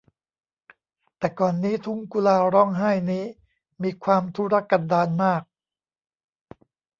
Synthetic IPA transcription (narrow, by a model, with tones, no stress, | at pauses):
t̪ɛː˨˩kɔː˨˩nːiː˦˥t̪ʰu˦˥ŋku˧laː˧ɾɔ˥˩ŋɦa˥˩jniː˦˥ | miː˧kʰwaː˧mt̪ʰu˦˥ɾa˦˥kːa˧˩ndaː˧nmaː˥˩k̚